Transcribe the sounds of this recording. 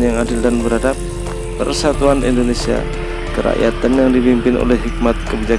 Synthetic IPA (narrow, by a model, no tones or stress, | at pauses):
njaŋadɪldanbəɾadap̚ː | ə̰rsat̪uanʔḭndonesia̰ | kəɾa̰ʔja̰t̪anjaŋdipimpɪno̰lɛhɦik̚mat̪̚kəbid͡ʒa